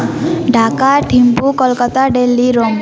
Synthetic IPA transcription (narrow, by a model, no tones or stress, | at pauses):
ɖʱakaʈʰimpukɔlkɔt̪aɖelːiɾom